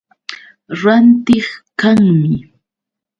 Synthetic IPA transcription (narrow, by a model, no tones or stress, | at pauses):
ɾant̪ɪχkaŋmɪ